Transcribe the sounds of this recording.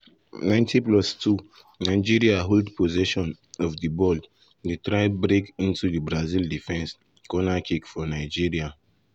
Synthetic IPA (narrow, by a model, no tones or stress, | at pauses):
nãɪ̃ntiplɔstʰu | naɪd͡ʒiɹiaɦoldpʰozɛʃɔ̃n | ɔfdibɔld | detɾaɪbɾekĩntudibɾazildifɛ̃ns | kɔnakʰikfɔnaɪd͡ʒiɹia